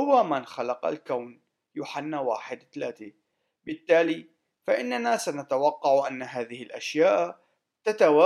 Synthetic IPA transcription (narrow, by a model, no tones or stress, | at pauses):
ʊwamanxalɑqa̰lkawn | juːħanːawa̰ːħɪd̪θlaːt̪i | bɪt̪ːaːliː | faʔɪnːanaːsanat̪awɑqːɑʕʔanːaɦaːðɪhɪlʔaʃjaːʔ | t̪at̪awaː